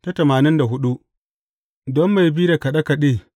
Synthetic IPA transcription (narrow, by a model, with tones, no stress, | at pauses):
ta˦tɐ˨maː˨nɪ˦nda˨ɦʊ˦ɗu˦ | dɔ˦mːa˨jbiː˦da˨kɐ˨ɗa˦ka˨ɗeː˦˨